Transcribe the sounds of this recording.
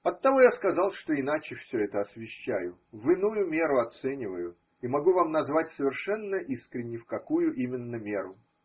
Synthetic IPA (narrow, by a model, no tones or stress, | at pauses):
ɐt̪ːɐvo̞jaskɐzɑlˠʂt̪o̞ɪnat͡ɕɪfsʲɵɛt̪əɐsvʲɪɕːæ̰jʊvɨnujʊmʲe̞ɾʊɐt̪sɛnʲɪvəjʊ | imɐɡuvamnɐzvatʲsəvʲɪrʂɛnːəʔiskɾʲɪnʲːɪfkɐkujʊʔimʲɪnːəmʲe̞ɾʊ